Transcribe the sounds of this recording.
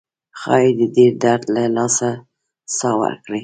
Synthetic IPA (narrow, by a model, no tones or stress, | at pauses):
xɑjed̪əd̪ed̪aɾd̪lalɑsa | sɑwə̰ɾkɽi